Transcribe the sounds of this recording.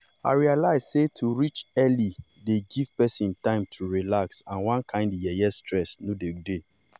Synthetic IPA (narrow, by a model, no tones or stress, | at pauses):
a̰ɹialaɪz̥setʰuɹit͡ʃɛli | deɡiv̥pɛsĩntãɪ̃mtʰuɹilaksãnwãnkʰãɪ̃ndjɛjɛstʰɹɛsnodede